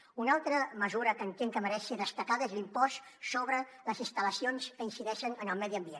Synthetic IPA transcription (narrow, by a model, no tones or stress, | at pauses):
unalˠt̪ɾəməzuɾəkənt̪eŋkəməɾɛsiðəst̪əkaðəezlimpɔssoβɾələzinst̪ələsionskəinsiðɛʃənənəlˠmɛðiəmbien